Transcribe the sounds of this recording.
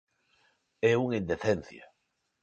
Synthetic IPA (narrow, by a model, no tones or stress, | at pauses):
ɛuŋẽnd̪eθen̟θja̰